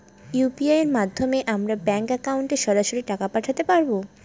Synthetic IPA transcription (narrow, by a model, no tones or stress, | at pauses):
jupiaeɾmad̪ʱːomeʔamɾabɛŋkɛkawɳʈeʃɔɾaʃoɾiʈakapaʈʰat̪epaɾbo